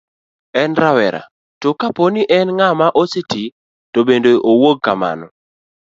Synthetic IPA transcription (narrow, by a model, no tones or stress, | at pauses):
ɛnɾawɛɾa̰ | tokaponiʔɛnŋamaʔoseti | tobendoʔowoɡ̚kama̰nɔ̰